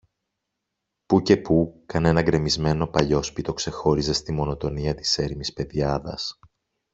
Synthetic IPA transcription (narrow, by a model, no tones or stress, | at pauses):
puce̞pukɐne̞nɐɡɾe̞mizme̞no̞pɐʎo̞spit̪o̞kse̞xo̞ɾize̞st̪imo̞no̞t̪o̞niɐt̪i̥se̞ɾimispe̞ðiɐðɐ̰s